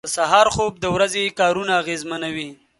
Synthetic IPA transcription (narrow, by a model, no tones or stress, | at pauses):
əsaɦɑɾxob̚d̪əwɾazekɑɾunaːɣezmanawi